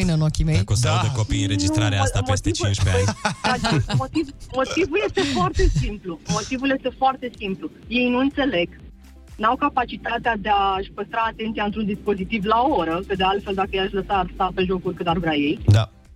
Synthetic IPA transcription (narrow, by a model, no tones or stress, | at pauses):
jnənokʲimejkost̪ad̪ekopijɾend͡ʒist̪ɾaɾeasampest̪eivt͡ʃuint͡ʃpeaaamot̪ivmo̞t̪ivulje̞st̪e̞foart̪e̞simplumo̞t̪ivulje̞st̪e̞foart̪e̞simplu | je̞jnuɨnt̪se̞le̞ɡ | nawkapat͡ʃit̪at̪ead̪eaʃʲpəst̪ɾaːt̪e̞nt̪sijaɨnt̪ɾund̪ispo̞zit̪ivlaooɾəkəd̪ealt̪feld̪akəjejaʃləsaːrst̪ape̞ʒo̞kurʲkɨnarvɾaje̞jd̪a̰